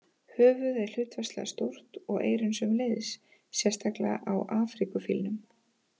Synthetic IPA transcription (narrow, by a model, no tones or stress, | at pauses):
hœːvʏðɛɾ̥l̥ʏːt̪vɛst̪lɛ̰ɣast̪owr̥t̪ɔɣḛːjɾʏnsʏmlejðɪsː | jɛ̥st̪aklaʔawʔaːfɾikʏfilnʏm